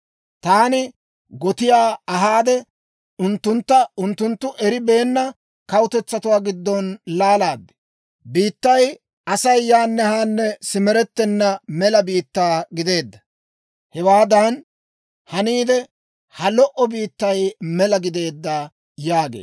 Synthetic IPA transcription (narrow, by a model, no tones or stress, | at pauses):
t̪aːnɪ | ɡɔt̪ɪjaːɐɦaːd̪ɛ | ʊnt̪ːʊnt̪ːɐʊnt̪ːʊnt̪ːʊʔɛɾɪbe̞ːnːɐ | kɐwʊt̪ɛt͡sːɐt̪ʊwaːɡɪd̪ːɔnlaːlaːd̪ːɛ̥ | biːt̪ːɐj | ɐsɐjːaːnːɛhaːnːɛsɪmɛɾɛt̪ːɛnːɐmɛlɐbiːt̪ːaːɡɪd̪e̞ːd̪ːɐ | hɛwaːd̪ɐn | hɐniːd̪ɛ | hɐlɔʔɔbiːt̪ːɐjmɛlɐɡɪd̪e̞ːd̪ːaː | jaːɡḛː